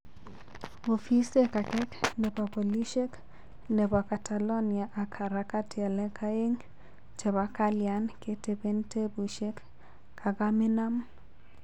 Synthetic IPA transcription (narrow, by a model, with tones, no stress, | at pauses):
o˨fi˦se˦ka˨kɛ˦knɛ˨pa˨bo˨li˦ʃe˦k | nɛ˨pa˨ka˨ta˨lɔ˦nia˨ʔa˨kʰa˨ɾa˦ka˦tʰa˨lɛ˦ka˦e˦ŋ | t͡ʃe˨βa˦ka˦lja˨nke˨te˦be˦nte˦bu˨ʃe˦kː | a˨ɡa˦mɪ˦na˦m